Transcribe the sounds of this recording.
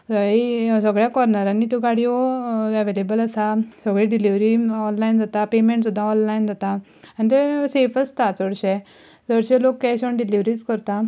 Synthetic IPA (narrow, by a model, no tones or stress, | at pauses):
isəɡɭjakɔɾnaɾãnːiːt̪uɡaɽiʋɔɛʋelebəlasasəɡɭiɖiliʋɾiɔnlajnd͡zat̪apemẽɳʈsud̪ʱːaɔnlajnd͡zat̪a | anit̪̬esefəst̪at͡səɽɕɛ | d͡zəɽɕelokːɛɕɔɳɖiliʋɾiːskəɾt̪a